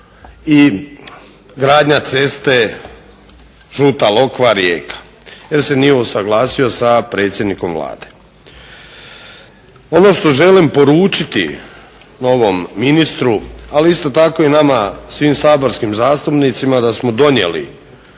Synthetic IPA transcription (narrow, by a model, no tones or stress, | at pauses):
i | ɡɾaːd̪ɲat̪se̞st̪e̞ | ʒuːt̪alo̞kʋaɾjḛːkḁ | je̞ɾse̞nijeusaɡlˠaːsio̞sapɾe̞ːt̪sʲje̞d̪niko̞mʋlˠa̰ːd̪e̥ | o̞no̞ʃt̪o̞ʒe̞limpo̞ɾuːt͡ʃit̪ḭ | no̞ʋo̞mːinist̪ɾualiist̪o̞t̪ako̞inamasʋiːmsaːbo̞ɾskimzaːst̪upnit̪simad̪asmo̞d̪o̞ɲje̞̰lḭ